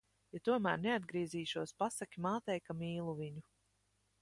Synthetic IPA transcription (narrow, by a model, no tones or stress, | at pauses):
jat̪uɔmæːɾnead̪ɡɾiɛziːʃuɔspasakʲimaːt̪ɛjkamiːlˠuviɲu